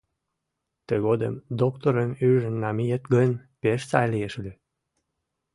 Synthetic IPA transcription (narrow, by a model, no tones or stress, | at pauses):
t̪əɣod̪ə̰md̪okt̪oɾənyʒənːɑmijət̪ɡənʲpeʃt͡sɑjlijeʃly